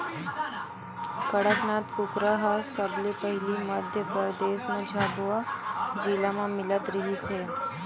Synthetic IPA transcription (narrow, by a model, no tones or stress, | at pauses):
kəɽəknaːt̪kʊkɾaɦasəblepəɦɪliməd̪ʱjəpəɾd̪eːʃmãd͡ʒʱaːbuad͡ʒiːlamãmɪlət̪ɾɐɦiseː